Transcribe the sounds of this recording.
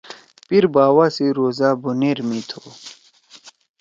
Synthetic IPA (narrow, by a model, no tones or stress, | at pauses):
piɾbaːwasiɾoːzaːbuneɾmit̪ʰo